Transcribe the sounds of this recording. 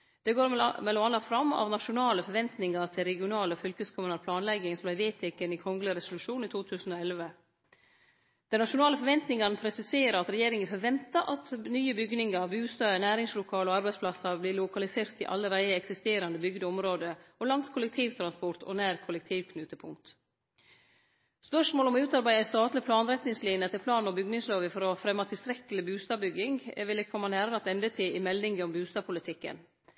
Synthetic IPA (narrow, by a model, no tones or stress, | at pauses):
d̪̥ɛɡoːɾmɛlʊɑnɑfɾɑmːɑ̰ʋnɑʃʊnɑːləfɔɾʋɛnt̪nɪŋɑɾt̪ʰɪlɾɛɡɪʊnɑːləfʏlkəskʰʊmʉnɑɾpʰlɑːnlɛɡːɪŋsɔmblæɪʋeːt̪ʰɪkənɪkʰɔŋɡləɾɛsʊlʉʂuːnit̪ʰuːt̪ʰʉːsn̩ɔɛlʋə | d̪̥ɛnɑʃʊnɑːləfɔɾʋɛnt̪nɪŋɑnəpʰɾɛsɪseːɾəɾɑt̪ɾɛjeːɾɪŋənfɔɾʋɛnt̪əɾʔɑt̪nyːəbʏɡnɪŋɑɾbʉːst̪ɑːənæːɾɪŋslʊkʰɑːləɔɑɾbæɪdspʰlɑsːɑɾblɪːlʊkɑlɪseːɾt̪ɪʔɑ̰lːəɾæɪəɛksɪst̪eːɾɑnd̪əbʏɡd̪əɔmɾoːd̪əɔlɑŋskʰʊləkt̪ʰiːʋt̪ʰɾɑnspɔɾt̪ʰɔ̰næːɾkʰʊlɛk̚t̪ʰiːʋkʰnʉːt̪əpʰʊ̰ŋkt̪ | spœʂmoːlɔmɔʉːt̪ɑɾbæɪæst̪ɑːt̪lɪpʰlɑːnɾɛt̪nɪŋsliːnət̪ʰɪlpʰlɑːnɔbʏɡnɪŋsloːʋəfɔɾɔfɾɛmːɑt̪ʰɪlst̪ɾɛkːəlɪbʉːst̪ɑːʋbʏɡɪŋʋɪlːəkʰɔmːɑnæːɾɾɑt̪ɛnd̪ət̪ʰɪlɪmɛlːɪŋɡəɔmbʉːst̪ɑːʋpʰʊlɪt̪ʰɪkːə̰n